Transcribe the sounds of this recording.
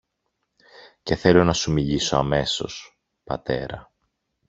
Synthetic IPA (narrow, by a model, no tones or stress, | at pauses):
ce̞θe̞lo̞nɐsumiʎiso̞ɐme̞so̞̰s | pɐ̰t̪e̞ɾɐ